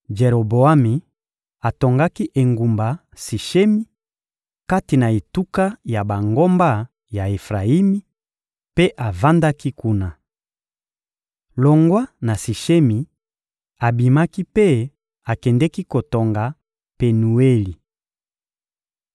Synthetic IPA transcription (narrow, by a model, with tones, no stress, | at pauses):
d͡ʒe˨ʁo˨bo˨a˦mi˨ | a˨to˨ŋɡa˦ki˦ʔe˨ŋɡu˨mba˨ | si˨ʃe˦mi˦ | ka˦ti˨na˨e˨tu˦ka˦ja˨ba˨ŋɡo˦mba˦ | ja˨e˨fʁa˨i˦mi˦ | pe˦ʔa˨va˦nda˦ki˦ku˦na˨ | lo˨ŋɡwa˦na˨si˨ʃe˦mi˨ | a˨bi˨ma˦ki˦pe˦ | a˨kɛ˨ndɛ˦ki˦ko˨to˨ŋɡa˨ | pe˨nu˨e˦li˨